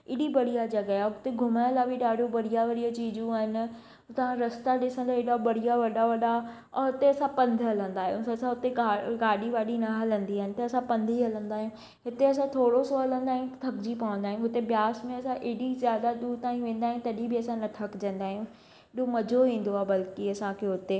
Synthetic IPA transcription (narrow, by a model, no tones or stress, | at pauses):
ɪɽibɐɽ̤ijad͡ʑɐɡjaʊt̪eɡʱʊmajəlabʱɪɗaːɽ̤ʱõbɐɽ̤ijaʋɐɽijat͡ɕiːd͡ʑũaːɦɪnɪ̆ | t̪ɐʋ̤ãɾɐst̪aɗɪsə̃nd̪aeɗabɐɽ̤ijaʋɐɗaʋɐɗa | ɦʊt̪eɐsãpɐ̃nd̪ʱɦɐlə̃nd̪aːɦijũɐsãɦʊt̪eaːɡaːɗiʋaːɗinɐɦɐlə̃nd̪iaːɦɪnɪt̪ɐɐsãpɐ̃nd̪ʱiɦɐlə̃nd̪aːɦijũ | ɦɪt̪eɐs̬ãt̪ʰoːɽosoɦɐlə̃nd̪aːɪjũt̪ʰɐkd͡ʑipɐʋə̃nd̪aːij̃ũɦʊt̪ebjaːsmẽɐsãʔeːɽizjaːd̪ad̪uːd̪t̪aːĩʋẽːn̆d̪aːɦɪ̃t̪ɐɗibɪɐsãnɐʈʰɐkd͡ʑɐ̃nd̪aːɦijũ | ɪɗõmɐd͡ʑʱoʋĩːn̆d̪oaːbɐlkiɐsãkʰeɦʊt̪e